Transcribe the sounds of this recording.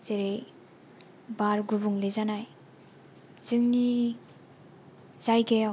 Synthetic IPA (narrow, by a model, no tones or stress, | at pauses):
zeɾej | baɾɡubuŋlezanaj | z̥ɯŋni | zajɡeja